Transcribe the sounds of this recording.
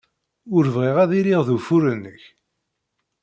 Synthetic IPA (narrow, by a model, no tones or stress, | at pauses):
ʊɾvʁeʁæðiɾiʁðufuɾənːəç